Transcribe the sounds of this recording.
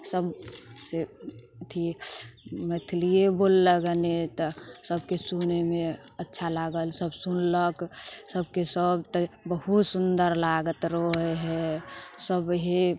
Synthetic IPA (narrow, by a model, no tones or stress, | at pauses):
səbse | t̪ʰi | mət̪ʰlijebolːəɡənet̪ɔsəbkesunemẽ | ətːʃʰalaɡəlsəbsunləksəbkesəbt̪əbəɦut̪sund̪əɾlaɡət̪ɾoɦeɦɛsəbɦe